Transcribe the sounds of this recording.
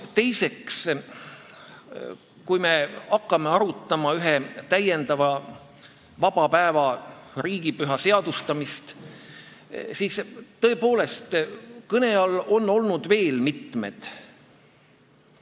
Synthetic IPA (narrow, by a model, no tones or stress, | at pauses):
t̪e̞jse̞ks | kujme̞ɑkːɑmeɑɾut̪ːˑɑmɑyɦet̪æje̞nd̪ɑvɑ | vɑb̥ɑpæevɑɾiːɡ̥ipyɦɑse̞ɑd̪̥ust̪ɑmist̪ | siːst̪ːɤ̞epo̞ːle̞st̪kɤne̞ɑlo̞nːo̞lnud̪ve̞ːlmit̪me̞̰d̪̥